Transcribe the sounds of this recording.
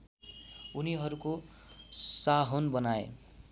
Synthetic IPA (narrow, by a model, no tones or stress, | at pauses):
uniɦʌɾuko | saɦonbʌnaḛ